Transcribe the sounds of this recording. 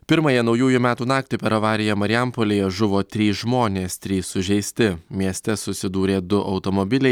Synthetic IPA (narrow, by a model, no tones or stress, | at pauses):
pʲɪɾmɐjɛnɒʊjuːjumʲæːt̪uːn̪ɑːkt̪ʲɪpʲɛɾɐʋɑːɾʲɪjɛmɐɾʲɪjɛmpoːlʲeːjɛʒʊʋoːt̪ʲɾʲiːsʒmoːnʲeːst̪ʲɾʲiːsʊʒʲɛɪsʲt̪ʲɪmʲiɛsʲt̪ʲɛsʊsʲɪd̪uːɾʲeːd̪ʊʔɒʊt̪oːmobʲɪlʲɛɪ